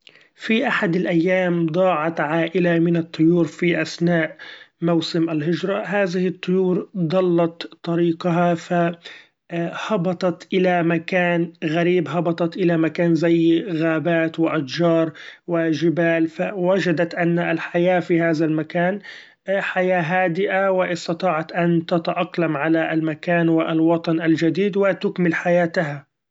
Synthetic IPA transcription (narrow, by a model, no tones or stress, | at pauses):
fiʔaħad̪alʔajːaːmd̪ˤɑːʕɑt̪ʕaːʔɪlamɪnat̪ˤːʊjuːɾfiʔasnaːʔmawsɪmʔalɦɪd͡ʒɾˤɑɦaːðɪhɪt̪ˤːʊjuːɾd̪ˤɑlːɑt̪t̪ˤːɑɾiːqaɦafa | hɑbɑt̪ˤɑt̪ʔɪlamakaːnɣaɾiːbɦɑbɑt̪ˤɑt̪ʔɪlamakaːnzajːɣaːbaːt̪wɪʔat̪d͡ʒɑːɾˤwɪʒɪbaːlfawad͡ʒad̪at̪ʔanːalħajaːfiːhaːðalmakaːn | ħajaːɦaːd̪ɪʔawɪʔɪst̪ɑt̪ˤɑːʕɑt̪ʔant̪at̪aʔɑqlamʕalaʔalmakaːnwɪʔlwɑt̪ˤɑnʔald͡ʒad̪iːd̪wɪt̪ʊkmɪlħajaːt̪aɦa